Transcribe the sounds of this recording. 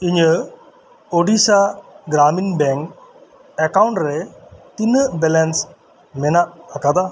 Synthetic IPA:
iɲə | oɖisaɡɾaːminbɛŋk | ɛkawuɳʈɾet̪inəbɛlɛns | mɛnaʔːkad̪a

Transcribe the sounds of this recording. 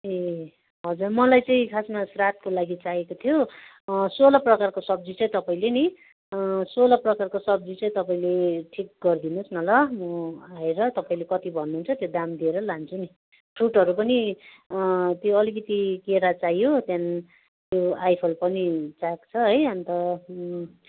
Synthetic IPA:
e | ɦʌd͡zurmʌlajt͡sʌĩkʰasmasrat̪̚kolaɡit͡saɦekot̪ʰijo | solʌprʌkarkosʌb̚d͡zit͡sʌĩt̪ʌpaĩleni | solʌprʌkarkosʌbd͡zit͡sʌĩt̪ʌpaĩleʈʰik̚ɡʌrd̪inusnʌlʌmʌaeɾʌt̪ʌpaĩlekʌt̪ibʱʌnːuːnt͡sʰʌt̪jod̪amd̪ieɾʌlant͡sʰuni | ʈʰuʈʌɾupʌni | t̪joʌlikʌt̪ikeɾat͡sajjot̪jan | t̪joajpʰolpʌnit͡sakt͡sʰʌɦʌjʌnt̪ʌ

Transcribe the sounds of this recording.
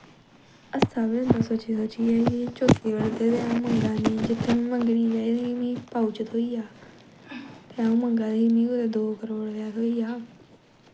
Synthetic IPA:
əst̪ʰaːbɪnd̪aːsot͡ʃiːsot͡ʃiːɛːit͡ʃoːt̪ːiːʋəɽt̪eːt̪eaũːməŋɡaːniːd͡ʒɪt̪ʰːeməŋɡɽiːʋeːeiːmĩːpaʊt͡ʃət̪ɦoːiːaː | t̪eaũːmə̃ŋɡãːnimĩːot̪ed̪oːkəɾoːɽlaːoːiːjaː

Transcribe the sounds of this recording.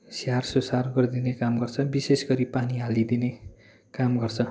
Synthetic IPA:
sarsosarɡʌrd̪inekamɡʌrt͡sʰʌbisesɡʌɾipaniɦalid̪ine | kamɡʌrt͡sʰʌ

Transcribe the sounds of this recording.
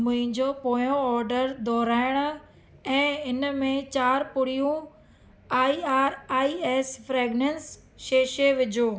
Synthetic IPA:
mʊ̃ɦɪ̃d͡ʑoːpoːjõɔːɾɖəɾd̪ɔːɾaːɪɽ̃̆ | ɛ̃ːɪnmẽt͡ɕaːɾpʊɽ̤ijũ | aːiaːɾaːieːsfɾeːɡnens | ʃeːʃeʋɪd͡ʑʱoː

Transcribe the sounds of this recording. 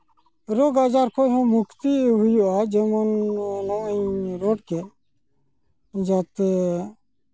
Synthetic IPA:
ɾoːɡaːd͡ʒaːɾkʰoɦõmʊkʰt̪iɦʊjoaːd͡ʒemənnoĩɾoːʈke | d͡ʒaːt̪

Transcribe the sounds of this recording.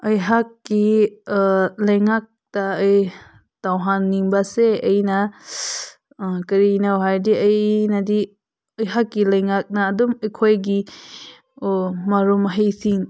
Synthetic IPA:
ʔəjɦakːi | lɐjŋak̚taɯj | tawɦanːiŋbaseəjna | kɐɾinawɦajdiəjnadi | əjɦakːilɐjŋak̚naːduməjkʰojɡi | maɾumɐɦejt̪ʰiŋ

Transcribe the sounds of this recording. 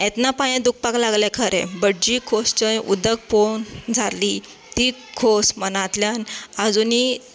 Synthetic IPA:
ɛ̃t̪napaj̃ẽd̪uk̚paklaɡlɛ̃kʰəɾʔḛ̃bəɽd͡ʑikʰost͡ɕəjʔṵd̪ək̚pond͡zʱali | t̪ikʰosmənãt̪ljanad͡zuni

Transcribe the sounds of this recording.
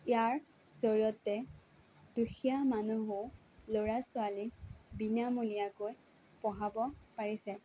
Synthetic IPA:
ijaɹ | zoɹiɔtːɛ | d̥uxijamanuɦʊ | loɹasʊalibinamulijakoj | pɔɦabɔpaɹisɛ

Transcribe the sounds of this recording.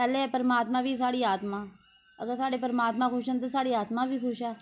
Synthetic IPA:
pɛːleːɛːpəɾəmaːt̪mãːʋiːsaːɽiːaːt̪mãː | əɡəɾsaːɽeːpəɾmaːt̪mãːkʰʊʃənt̪̬eːsaːɽiːaːt̪mãːʋiːkʰʊʃɛː

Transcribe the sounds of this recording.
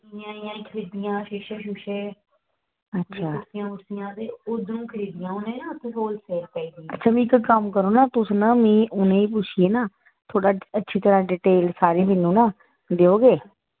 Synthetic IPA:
ɪjãːɪjãːiːkʰəɾiːd̪ɪjãːʃɪːʃeːʃuːʃeː | ətːʃʰaːʊʈsɪjãːʊʈsɪjãːt̪eːod̪nũːkʰəɾiːd̪ɪjãːʊnẽːnãːt̪esoːlseːɾpɛiːd̪iːətːʃʰaːmĩːkkəmkəɾoːnaːt̪ʊsnãːmĩːʔʊnẽːiːp̬ʊt͡ʃʰijeːnaː | t̪ʰoːɽaːətːʃʰiːt̪əɾãːɖiːʈeːlsaːɾeːmẽːnːũːnaː | d̪eːoːɡeː

